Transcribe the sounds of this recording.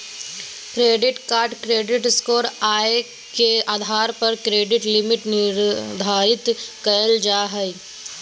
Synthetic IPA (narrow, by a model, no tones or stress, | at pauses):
kɾeːɖɪʈkaːɾɖkɾeːɖɪʈskoːɾaːe | keaːd̪ʱaːɾpɐɾkɾeːɖɪʈlɪmɪʈnɪɾd̪ʱaːɾɪt̪kɐəld͡ʒaːɦəi